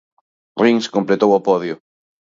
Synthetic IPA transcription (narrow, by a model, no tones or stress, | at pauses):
riŋskõmplet̪owɔpɔðjʊ